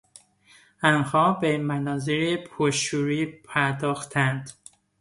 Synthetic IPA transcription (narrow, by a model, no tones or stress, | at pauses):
ænhɒːbemænɒːziɾipʰoʃuːɾiːpʰæɾd̪ɒːxt̪ʰænd̪̥